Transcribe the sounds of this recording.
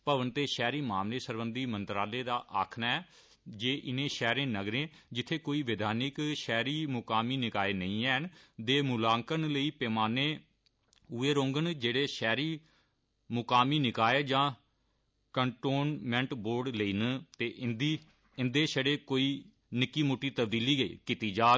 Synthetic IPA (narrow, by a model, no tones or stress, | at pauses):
pəʋənt̪eːʃɛːɾiːmaːmleːsəɾbənd̪iːmə̃nt̪ɾaːleːd̪aːʔaːkʰnaɛː | d͡ʒeːʔɪnẽːʃɛːɾẽːnəɡɾẽːd͡ʒɪt̪ʰːeːkoːiːʋɪd̪ʱaːnɪkʃɛːɾiːmʊkaːmiːnɪkaːeːnəĩːɛːɦnd̪eːmʊlaːŋkənləiːpɛːmaːnẽː | uːeːɾõːŋɡənd͡ʒeːɽeːʃɛːɾiː | mʊkaːmiːnɪkaːeːd͡ʒãː | kəɳʈoːnmɛ̃ɳʈboːɾɖləiːnt̪eːd̪iː | ɪnd̪eːʃəɽeːkoːiː | nɪkːiːmoːʈːiːt̪əbd̪iːliːɡḭːkiːt̪iːd͡ʒaː